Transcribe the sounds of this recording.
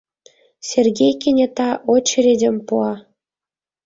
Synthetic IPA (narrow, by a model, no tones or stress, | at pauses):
sʲerɡʲejkʲenʲet̪ɑʔot͡ɕɘ̆ɾʲedʲĕmpuɑ